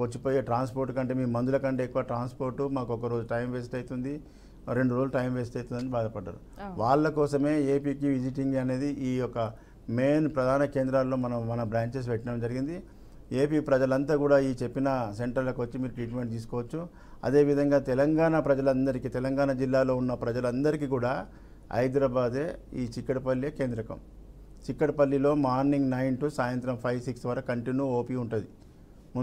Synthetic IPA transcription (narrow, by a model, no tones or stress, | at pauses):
kot͡ʃːipo̞ːjeːʈɾaːnspo̞ːɾʈukɐɳʈe̞ːmiːumɐnd̪ulɐkɐɳʈeːkːuʋaːʈɾaːnspo̞ːɾʈːumaːkɔkɐɾo̞ːd͡ʒuʈɐjmʋeːsiʈɐjt̪und̪i | ɾe̞ɳɖuɾoːlʈɐjmʋe̞ːsiʈɐjt̪und̪ɐnibaːd̪ɐpɐɖːa̰ːɾu | ʋaːɭːɐkɔːsɐme̞ːeːpiːkiʋid͡ʒiʈiŋɡɐne̞ːd̪iʔiːɔkːɐ | me̞ːnpɾɐd̪ʱaːnɐke̞ːnd̪ɾalːo̞ːmɐnɐmːɐnɐbɾaːɲt͡ʃes̬ʋɛʈːɐɽɐmd͡ʒɐɾiɡind̪i | e̞ːpiːpɾɐd͡ʒɐlɐnt̪aːkuːɽaːiːt͡ʃe̞pːinɐse̞ɳʈɐɾlːokiʋɐt͡ʃːimiːɾuʈɾiːʈme̞ɳʈ̚t̪iːsu̥kɔːʋɐt͡ʃːu | ɐ̰d̪e̞ːʋid̪ʱɐŋɡaːt̪ɛlɐŋɡaːnapɾɐd͡ʒɐlɐnd̪ɐɾikit̪ɛlɐŋɡaːnad͡ʒilːaːlo̞ːunːɐpɾɐd͡ʒɐlɐnd̪ɐɾikiːkuːɽaː | ɐ̰jd̪ɾaːbaːd̪e̞ːiːt͡ʃikːɐʈɐpɐlːjɐke̞ːnd̪ɾɐkɐ̰m | t͡ʃikːɐʈpɐlːilo̞ːmaːɾniŋɡnɐjnʈusaːjɐnt̪ɾɐmpʰɐjʋsiksʋɐɾɐkːɐɳʈinːuoːpiuɳʈud̪i | mu